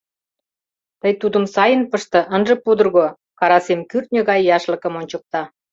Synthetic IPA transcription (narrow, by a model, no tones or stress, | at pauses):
t̪əjt̪ud̪əmsɑjənpəʃt̪ɤ̆ʔənʒə̆pud̪ərɣo | kɑɾɑsemkyrt̪̚nʲəɣɑjːɑʃlə̆kə̆monʲt͡ɕə̆k̚t̪ɑ